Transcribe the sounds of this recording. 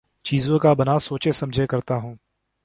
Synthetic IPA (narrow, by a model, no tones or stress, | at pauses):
t͡ʃiːzõkabɐnasoːt͡ʃesɐ̃md͡ʒʱekɐɾt̪aɦũː